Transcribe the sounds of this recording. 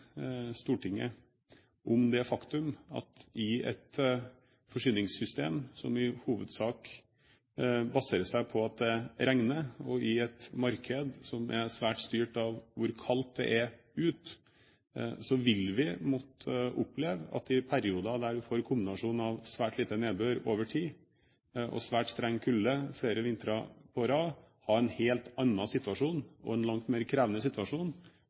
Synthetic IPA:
st̪uːʈɪŋːə̰ | ʔɔmd̪ɛfɑkt̪ʉmɑ̰t̪ɪɛ̰t̪ | fɔʂyːnɪŋsʏst̪ḛːmsɔmɪhuːʋəd̪sɑːk | bɑseːɾəsd̪æɪpʰɔɑt̪̚d̪ɛɾʔæŋnəɔɪɛt̪mɑɾkʰəd̪sɔmʔɛsʋæːʈst̪yːʈɑʋʋʊɾkʰɑlt̪̚d̪ɛ̰ʔæ | ʉːt̪ | sɔʋɪlʋɪmɔt̪əʔʊpːlɛːʋɑ̰t̪ɪpʰæɾɪuːd̪ɑd̪æɖʉfoːɾkʰʊmbɪnɑʂuːn̩ɑʋsʋæːʈliːt̪əneːbøːɾoːʋəʈʰiː | ʔɔ̰sʋæːʈst̪ɾɛŋːkʰʉlːəfleːɾəʋɪnt̪əɾɑpʰɔɾɑː | hɑɾɛnheːlt̪ɑnːɑsɪt̪ʰʋɑʂuːnɔ̰ɛnlɑŋt̪meːɾkʰɾæːʋənəsɪt̪ʋɑʂuːn

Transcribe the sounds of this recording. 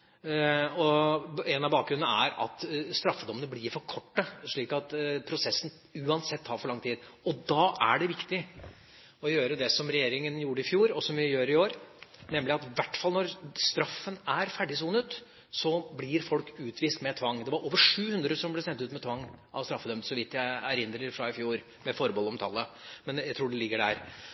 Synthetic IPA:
ɔɛnɑʋbɑːk̚ɡɾʉnnæ̰ɾɑ̰t̪st̪ɾɑfːəd̪ɔmːənəblɪɾfɔɾkʰɔʈːəʂɭiːkɑt̪pʰɾʊsɛsːn̩ | ʉːɑnsɛt̪ʰːɑːɾfɔɭɑŋt̪ʰiːd̪ | ɔd̪ɑːʔæ̰ɖɛʋɪkt̪ɪ | ɔjøːɾəd̪ɛsɔmɾɛjeːɾɪŋənjuːɾəɪfjuːɾɔsɔmʋɪjøːɾɪoːɾnɛmːlɪɑt̪ʋæʈːfɑlnɔɾst̪ɾɑfːənæɾfæɖɪsuːnət̪ | sɔblɪɾfɔlkʉːt̪ʰʋiːst̪mɛt̪ʰʋɑŋːd̪ɛʋɑɾʔoːʋəʂʉːhʉnd̪ɾəsɔmblɛsɛnt̪ʉːt̪mɛt̪ʰʋɑŋːʔɑ̰ʋst̪ɾɑfːəd̪œmt̪sɔʋɪt̪ːjæɪæɾɪnd̪ɾəɾfɾɑɪfjuːɾ | mɛfɔɾbɔlɔmt̪ʰɑːləmɛnjæɪt̪ʰɾuːɖɛlɪɡːəɖæ̰ːɾ

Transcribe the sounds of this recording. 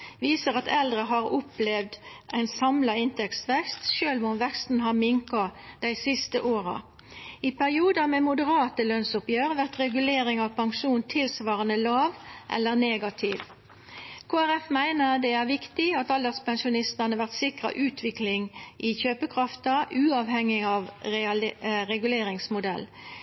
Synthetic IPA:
ʋiːsəʁɑt̪ɛld̪ʁəɦɑʁʊplɛʋd̪ʔæɪnsɑmlɑɪnt̪ɛkst̪ʋɛkst̪ʃøːlmʊmʋɛkst̪n̩ɦɑʁmɪŋkɑd̪̥æɪsɪst̪əʔoːɾɑ̰ | ɪpʰæʁɪuːd̪ɑmeːmʊd̪əʁɑːt̪əlœnsʊpjøːʁʋæʁt̪ʁɛɡʉleːɾɪŋɑʋpʰɑŋʃuːnt̪ʰɪlsʋɑːʁənəlɑːʋʔɛ̰lːəʁneːɡɑt̪ʰɪːʋ | kʰoːæʁɛfmæɪnəʁd̪ɛæʁʋɪkt̪ɪɑt̪ɑld̪əspɛnʃʊnɪst̪ɑnəʋæʁt̪sɪkʁɑ̰ʔʉːt̪ʰʋɪklɪŋʔɪçøːpəkʰʁɑft̪əʔʉːɑʋhɛŋːɪɑʋ | ʁɛɡʉleːɾɪŋsmʊd̪ɛ̰lː

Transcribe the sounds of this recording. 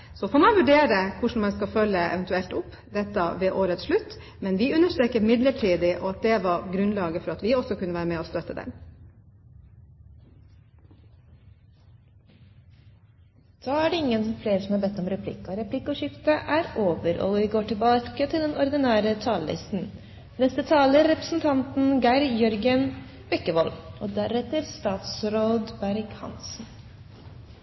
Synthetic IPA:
sɔfoːɾmɑɪʋʉɖeːɾəkʰʊʂɳ̩mɛɪskɑfœlːəʔɛ̰ʋɛnt̪ʉɛlt̪ʊpː | d̪ɛt̪ːəʋeːʔoːɾət̪sʂɭʉt̪ː | mɛnʋɪʉnəʂt̪ɾeːkəmɪd̪ləʈʰiːd̪ɪʔɔɑt̪̚d̪ɛʋɑɾɡɾʉnlɑːɡəfɔɾɑt̪ʋɪɔsɔkʉnəʋæːɾəmɛːɔːst̪œt̪ːəd̪ɛ̰n | d̪̥ɑːæɖɛɪŋːənsfleːɾəsɔmhɑɾbɛt̪ːɔmɾɛpʰlɪ̰kːɔɾɛpʰlɪkːɔʂɪft̪əʔæɾoːʋəɾɔ̰lɪɡoːʈɪlbɑːkət̪ʰɪld̪ɛnɔɾd̪ɪnæːɾət̪ʰɑːləlɪ̰st̪n̩ | nɛst̪ət̪ʰɑːləɾɛpɾəsn̩t̪ʰɑnt̪n̩ɡæɪɾjœɾɡən | b̥ɛkːəʋɔlʔoːd̪æɾɛt̪əɾst̪ɑːt̪sɾoːd̪bæɾkhɑ̰nsn

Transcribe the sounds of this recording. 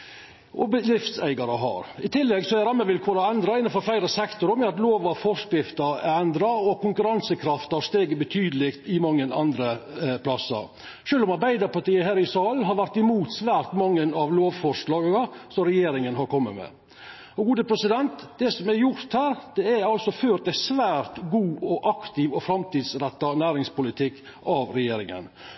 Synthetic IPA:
ʔɔbəd̪ɾɪft̪sæ̰ɪɡɑɾəɦɑ̰ɾɪt̪ʰɪlːɛɡsɔæɾɑmːəʋɪlkʰoːɾɔɛnd̪ɾɑɪnːənfɔɾflæɪɾəsɛkt̪ʊɾəmɛɑt̪loːʋɑʋfɔskɾɪft̪əæɾɛnd̪ɾɑɔkʰʊŋkʉɾɑnsəkʰɾɑft̪ɑʂt̪eːɡəbət̪ʰyːd̪əlɪkt̪ɪmɑŋːənɑ̰nd̪ɾəpʰlɑsɑ̰ | ʃøːlɔmɑɾbæɪd̪əɾpɑʈiːəɦæːɾɪsɑːlɦɑɾʋæɾt̪ɪmuːt̪sʋæːɾt̪mɑŋːənɑʋloːʋfɔʂɭɑːɡɑsɔmɾɛjeːɾɪŋənɦɑɾkɔmːə̰mɛ̰ | ɔɡuːd̪əpʰɾɛsɪd̪ɛnt̪d̪̥ɛsɔmæɾjʊɾt̪hæːɾd̪̥ɛæɑlsɔføːɾd̪æɪsʋæːɾt̪ɡuːɔʔɑkt̪ɪʋɔfɾɑmt̪iːd̪sɾɛt̪ːɑnæːɾɪŋspʊlɪt̪ʰɪkː | ʔɑʋɾɛjeːɾɪŋə̰n

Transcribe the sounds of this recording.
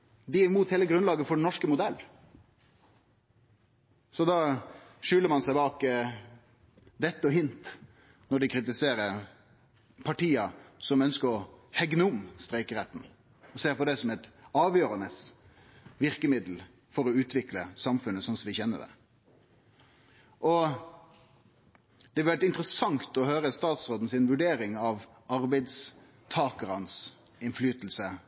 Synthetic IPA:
d̪ɪɪmuːt̪heːləɡɾʉnlɑːɡəfɔɖɛnɔʂkəmʊd̪ɛlː | sɔd̪ɑʃʏləɾmɑnsæɪbɑːk | d̪ɛt̪ːɔɦɪnt̪ | nɔɖɪkʰɾɪt̪ɪseːɾəɾ | pʰɑʈiːɑsɔmœnskəɾɔhɛɡnəʊmst̪ɾɛɪkəɾɛt̪ːn̩ | ɔseːɾpɔd̪ɛsɔmɛt̪ɑːʋjøːɾɑnəs | ʋɪʁkəmɪd̪l̩ | fɔɾɔʉːt̪ʰʋɪkləsɑmfʉnːəsɔnsɔʋɪçɛnːə̰d̪ɛ̰ | ʔɔ | d̪̥ɛʋɪlʋæɾʈɪnt̪ɾəsɑŋt̪ɔhøːɾəst̪ɑːt̪sʁoːd̪n̩sɪnʋʉɖeːɾɪŋɑʋ | ɑɾbæɪd̪s | t̪ʰɑːkəɾəɑns | ɪnflyːt̪l̩sə

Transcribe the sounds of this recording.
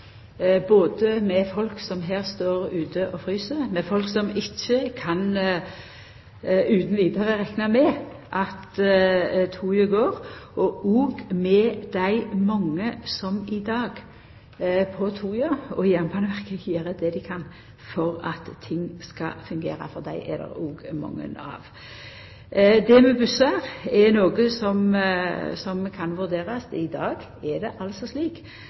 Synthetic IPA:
boːd̪əmɛfɔlksɔmɦeːɾst̪oːʁʉːt̪ʰəʔɔfʁyːsəɾmɛfɔlksɔmɪçːəkʰɑn | ʉːt̪n̩ʋiːd̪əʁəʁɛknɑmɛʔɑt̪ | t̪ʰuːjəɡoːɾɔʔuːɡmɛd̪æɪmɑŋːəsɔmɪd̪ɑːɡ | pʰɔt̪ʰuːjəɔɪjɛnpbʰɑnəʋæʁkəjøːɾəd̪ɛd̪ɪkʰɑn | fɔʁɑt̪ʰːɪŋːskɑ̰fʉŋɡḛːʁɑ̰fɔʁd̪æ̰ɪʔɛ̰d̪ɛ̰ɾuːɡmɑ̰ŋːə̰nɑ̰ːʋ | d̪ɛmɛbʉsɑʁɛnoːɡəsɔm | sɔmkʰɑnʋʉʁd̪eːʁɑsd̪ɪd̪ɑːɡ | ɛd̪ɛʔɑlsɔsliːk

